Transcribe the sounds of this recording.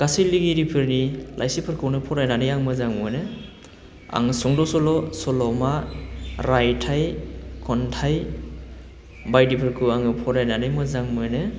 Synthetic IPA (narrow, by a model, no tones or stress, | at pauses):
kasiliɡiɾipʰɯɾnilʔajsipʰɯɾkʰɯwnɯpʰɔɾajnanɯjaŋmɯzaŋmɯnɯ | a̰ŋsɔŋdɔsɔlɔsɔlɔma | ɾajtʰajkʰɔntʰaj | bajdipʰɯɾkʰɯwaŋɯpʰɔɾajnanɯjmɯzaŋmɯnɯ